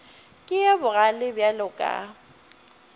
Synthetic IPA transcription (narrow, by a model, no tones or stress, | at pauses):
kʼɪjɛbʊɣalɪbjalʊkʼa̰